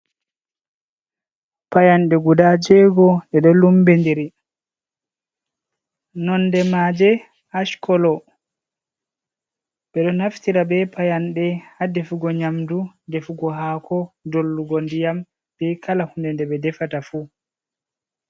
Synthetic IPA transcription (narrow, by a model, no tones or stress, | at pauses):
pajanɗɛɡudad͡ʒɛɡɔɗɛɗɔlumbendiɾi | nɔnːdɛmad͡ʒɛ | aʃkʰɔlɔ | ɓɛɗɔnaftiɾabɛpʰajanɗɛhadefuɡɔɲamdudefuɡɔɦakʰɔdolːuɡɔndijam | b̥ɛkʰalahundɛndɛɓɛdɛfatafu